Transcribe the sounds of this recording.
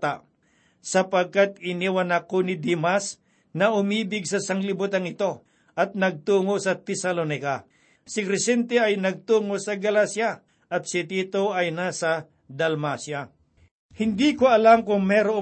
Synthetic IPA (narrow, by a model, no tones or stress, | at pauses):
t̪a | sɐpɐɡ̚kat̪̚ɪniwɐnakonɪd̪imas | nɐʔʊmiːbɪɡsɐsɐŋlɪbʊt̪ɐŋɪt̪o̞ | ʔɐt̪̚nɐɡ̚t̪uːŋo̞sɐt̪ɛsɐlonɪka | sɪkɾɛsɛnt̪ɛɐjnɐɡ̚t̪uːŋo̞sɐɡɐlasjɐ | ʔɐt̪̚sɪt̪iːt̪oʔɐjnasɐ | d̪ɐlmasja | hɪnd̪iːkoɐlamkʊŋmɛːɾo